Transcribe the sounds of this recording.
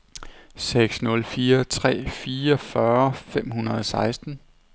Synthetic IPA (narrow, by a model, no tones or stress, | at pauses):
seɡ̥snɔ̽lfiːɐt͡sʰʁɛ̰ːfiːɐfɶɐfem̰hunɐðˠɒsɑ̈ɪsd̥n̩